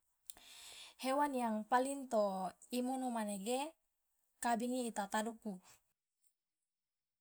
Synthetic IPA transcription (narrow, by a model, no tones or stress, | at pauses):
hewanjaŋpaliŋt̪oimunumaneɡe | kabiŋiːt̪at̪aduku